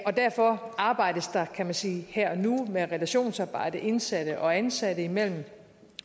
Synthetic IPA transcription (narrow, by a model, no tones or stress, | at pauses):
ɒ̽d̥æɐ̰fɒ̽ɑ̈ːb̥ɑ̈ɪ̰d̥əsd̥ɑ̈kʰæmænsiːhæɐ̰numeʁɛlæɕo̝̰ːnsɑ̈ːb̥ɑ̈ɪ̰d̥əʔe̝nsæɾ̥əʔɒ̽ænsæd̥əimel̰m̩